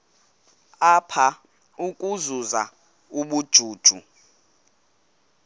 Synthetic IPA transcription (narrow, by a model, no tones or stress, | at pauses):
apʰa | ukʼuzuza | uɓud̥ʒ̥ʱuːd̥ʒ̥ʱu